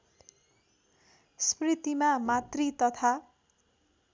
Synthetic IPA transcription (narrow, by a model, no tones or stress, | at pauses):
sprit̪imamat̪rit̪ʌt̪ʰa